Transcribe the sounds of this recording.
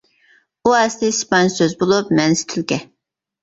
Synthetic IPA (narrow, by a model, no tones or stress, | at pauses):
uɛst̪ɪspɑnsøzbolˠup̚mɛnst̪ʰɪlkʲɛ